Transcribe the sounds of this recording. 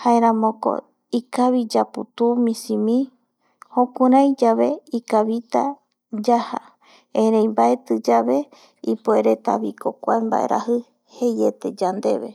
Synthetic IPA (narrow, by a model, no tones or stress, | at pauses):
haeɾãmõko̞̰ | ikaβid͡ʒaput̪umĩsimĩ | hõkũɾãjd͡ʒaβe̞ikaβit̪a | d͡ʒaha̰ | ẽɾẽjmbaet̪ɨd͡ʒaβe̞ | ipoeɾe̞t̪a̰βiko̞kʷaemba̰ʔe̞̰ɾa̰hɨ | he̞je̞t̪e̞d͡ʒand̪e̞βḛ